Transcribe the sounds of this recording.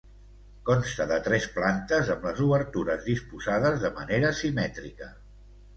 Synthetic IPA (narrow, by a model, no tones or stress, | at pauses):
kɔnst̪əðət̪ɾɛsplant̪əzəmləzuβəɾt̪uɾəzðispuzaðəzðəməneɾəsimɛt̪ɾikə